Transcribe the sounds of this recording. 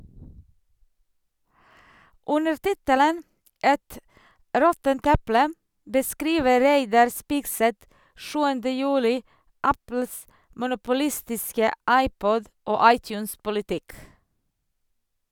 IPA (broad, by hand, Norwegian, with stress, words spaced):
ˈʉnəɾ ˈtɪtələn ˈʔɛt ˈɾɔtənt ˈɛplə bəˈskɾiːʋə ˈɾæɪdɑɾ ˈspiːɡsɛt ˈʃʉːəndə ˈjʉːlɪ ˈɑpl̩s mʊnʊpʊˈlɪstɪskə ˈɑɪˌpɔd ˈoː ˈɑɪˌtjʉːnspʊlɪˌtɪk